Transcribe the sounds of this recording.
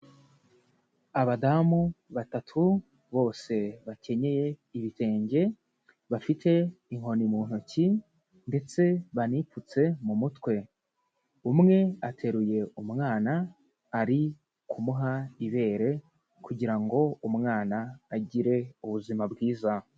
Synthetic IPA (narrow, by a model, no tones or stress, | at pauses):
aβadamuβatatʰu | βo̞ːse̞βace̞ɲe̞je̞iβite̞ːɲɟe̞ | βafitʰe̞iŋ̥o̞nimuːn̥uci | nde̞t͡se̞βaniput͡se̞mumutwe̞ | umŋe̞atʰe̞ɾuje̞umŋaːnaː | ɾi | kʰumuɦaiβe̞ːɾe̞ | kʰuɟiɾaŋɡo̞umŋaːnaːɟiɾe̞uβuzimabɡiːza